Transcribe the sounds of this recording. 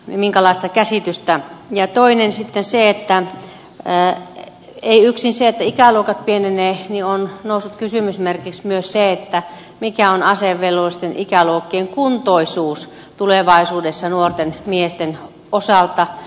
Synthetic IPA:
miŋkælɑˑist̪ɑkæsit̪yst̪æjɑt̪oinensit̪ːenseet̪ːæ | eiyksinseet̪ːæikæluokɑt̪̚pieneneːnionnoˑusːut̪kysymysmerkiksmyøsseet̪ːæ | mikæonɑseʋːelːolist̪enʔikæluokːieŋkunt̪oisuːs | t̪uleʋɑisuːdesːɑnuort̪enmiest̪en | osɑlt̪ɑ

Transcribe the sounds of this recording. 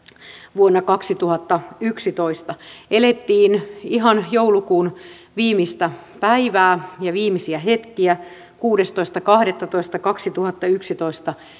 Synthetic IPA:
ʋuonːɑkɑksit̪uhɑt̪ːɑyksit̪oist̪ɑelet̪ːiːniɦɑnjoulukuːn | ʋiːmist̪æ | pæiʋæːjɑʋiːmisiæɦet̪kiæ | kuːdest̪oist̪ɑkɑhɾet̪ːɑt̪oist̪ɑkɑksit̪uhɑt̪ːɑyksit̪oist̪ɑ

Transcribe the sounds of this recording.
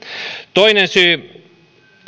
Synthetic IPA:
t̪oinensyː

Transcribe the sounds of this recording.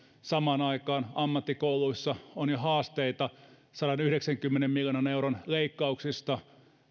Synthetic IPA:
sɑmɑːnɑikɑːnɑmːɑt̪ːikouluisːɑonjohɑːst̪eit̪ɑ | sɑɾɑnyhɾeksæŋkymːenemmiljonɑneuronleikːɑuksist̪ɑ

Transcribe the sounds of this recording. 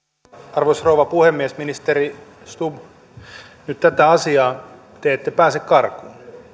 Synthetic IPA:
ɑrʋosrouʋɑpuhemːiesminist̪eri | st̪ub | nyt̪t̪æt̪æɑsiɑː | t̪eet̪ːepæːsekkɑrkuːn

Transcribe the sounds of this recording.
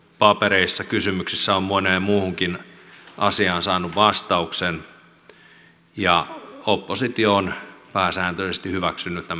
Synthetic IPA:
pɑpeɾeisːɑkysymyksisːæommoneːmmuːhuŋkinʔɑ̰siɑnsɑːnuʋʋɑst̪ɑuksen | jɑopːosit̪ioonpæːsæːnt̪øisest̪ihyʋæksynːyt̪næm

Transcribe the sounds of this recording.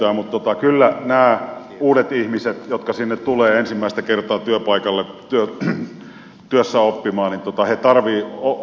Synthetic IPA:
æːmut̪t̪ot̪ɑkylːænæː | uːdet̪ihmiset̪jot̪kɑsinːet̪t̪uleːensimːæˑist̪ækert̪ˑɑːt̪yøpɑikɑlːet̪yø | t̪yøsːæopːimɑːnnint̪ŏt̪ɑhet̪ɑrʋiːo

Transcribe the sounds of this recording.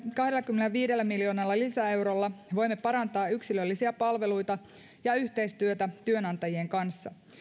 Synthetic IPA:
kɑɦdelːɑkymːeneʋiːdelːæmiljo̞ːnɑlːɑlisæe̞wɾolːɑʋo̞jmːepɑɾɑnt̪ɑːyksilølːisiæpɑlʋelujt̪ɑ | jɑyçt̪e̞jst̪yøt̪æt̪yø̞nɑnt̪ɑjie̞ŋkɑnsːɑ

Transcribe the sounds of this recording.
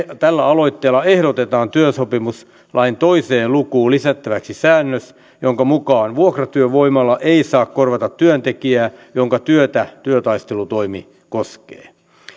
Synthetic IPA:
t̪ælːæɑlo̞it̪ːeːlːɑehɾot̪et̪ɑːnt̪yøsopimus | lʔɑint̪oiseːllukuːlisæt̪ːæʋæksisæːnːøs | joŋkɑmukɑːnʋuokrɑt̪yøʋoimɑlːɑʔeisɑːkkorʋɑt̪ɑt̪tyønt̪ekiæːjoŋkɑt̪yøt̪æt̪yøt̪ɑist̪elut̪oimi | koskḛː

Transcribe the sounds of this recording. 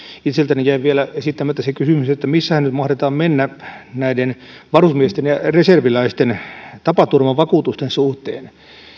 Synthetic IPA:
it̪selt̪ænejæiʋielæesit̪ːæmøet̪ːæsekysymyset̪ːæmisːæhænnyt̪mɑhdet̪ɑːmmenːænæiden | ʋɑrusmiest̪enjɑreserʋilæist̪ent̪ɑpɑt̪urmɑʋɑkuːt̪ust̪ensuht̪ḛːn

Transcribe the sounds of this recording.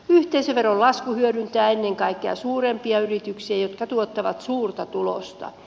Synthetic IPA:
yht̪eiseʋerːollɑskuhyøɾynt̪æːenːeŋkɑikːeɑ̰suːrempiɑyrit̪yksiɑjot̪kɑt̪uot̪ːɑʋɑ̰t̪suːrt̪ɑt̪ulo̰st̪ɑ̰

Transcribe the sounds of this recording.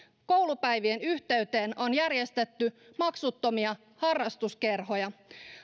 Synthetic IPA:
ko̞wlupæjʋienyht̪e̞yt̪e̞ːno̞njærje̞st̪e̞t̪ːymɑksut̪ːo̞miɑ | hɑrːɑst̪uske̞rɦo̞jɑ

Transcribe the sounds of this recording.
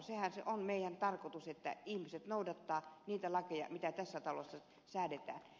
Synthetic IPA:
sehænsḛʔonmeˑijænt̪ɑrkot̪uset̪ːæ̰ihmiset̪noˑudɑt̪ːɑːniːt̪ælɑkejɑ̰mit̪æt̪æsːæt̪ɑlosːɑ | sæːdet̪æ̰ːn

